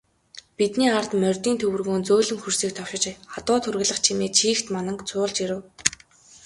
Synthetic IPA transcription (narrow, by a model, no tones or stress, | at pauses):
pit̪niːart̪mœrʲt̪iːnt̪ʰɵwɘ̆rɣoːnt͡soːɮɘ̆ŋxursiːk̚t̪ʰɔwʃɪ̆t͡ɕχat̪ʊːt̪ʰɵrɣɘ̆ɮə̆χt͡ɕʰimeːt͡ɕʰiːxt̪manə̆ŋkt͡sʰʊːɮt͡ɕiɾɘ̆w